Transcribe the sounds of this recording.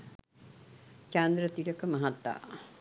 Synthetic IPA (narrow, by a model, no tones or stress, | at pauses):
t͡ʃand̪ɾət̪iləkəmaɦat̪ːa̰ː